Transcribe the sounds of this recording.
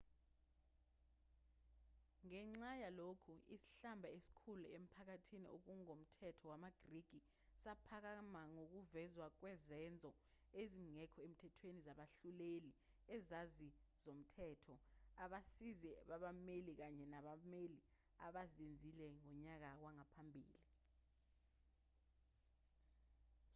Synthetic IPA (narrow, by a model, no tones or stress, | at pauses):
ŋɛŋ͡ǀajalokʰuisi̥ɬambʱaesi̥kʰuluem̩pʰak̬atʰinḭʔo̰k̬uŋom̩tʰɛtʰɔwamaɡ̥riɡ̥ʱi | sapʰak̬amaŋok̬uvɛzwak̬wɛzɛnd͡zʱɔ | eziŋɛkʰɔem̩tʰɛtʰwenizaɓaɬuleli | ɛzaziz̥om̩tʰɛːtʰɔaɓasizɛɓaɓamelik̬aɲɛnaɓameli | aɓazind͡zʱilɛŋɔɲak̬akwaŋapʰambʱḭːli